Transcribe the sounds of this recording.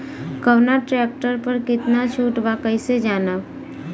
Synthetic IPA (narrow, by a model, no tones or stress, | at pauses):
kəʋnaʈɾɛːk̚ʈəɾpəɾkɪt̪nat͡ʃʰuːʈʋaːkəised͡ʒaːna